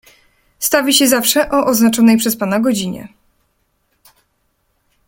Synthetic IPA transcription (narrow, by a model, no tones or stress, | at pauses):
st̪avʲiɕɛzafʂɛʔɔʔɔznat͡ʂɔnɛjpʂɛspanaɡɔd͡ʑiɲɛ̰